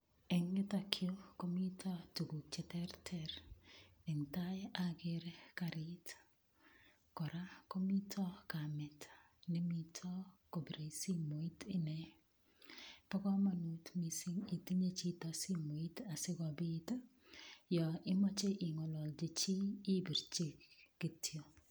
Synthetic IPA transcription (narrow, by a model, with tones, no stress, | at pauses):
ɛ˨ŋːɪ˦ta˨kʰɪo˦ko˦mi˦tʰɔ˦tu˨ɡu˨kt͡ʃɛ˨tɛ˦rtʰɛ˦ɾ | e˨ŋta˦jʔa˦ɡe˦ɾeka˨ɾɪ˦t | kɔ˨ɾa˦ko˦mi˦tʰɔ˦ka˨mɛ˨tʰ | nɛ˦mi˦tʰɔ˦ko˨bɾe˨si˦mo˨i˦tɪ˦nɛ˨ | pɔ˦kɔ˦ma˨nu˨tmi˨si˦ŋi˨ti˦ɲe˦t͡ʃi˦tɔ˦si˦mo˨i˦ta˨sɪ˦ɡɔ˨bi˦t | jɔ˨ɪ˦mɔ˦t͡ʃe˦ʔɪ˨ŋɔ˨lɔ˨ld͡ʒe˨t͡ʃiː˦bi˨ɾt͡ʃe˦kɡ̥i˨tʰjo˨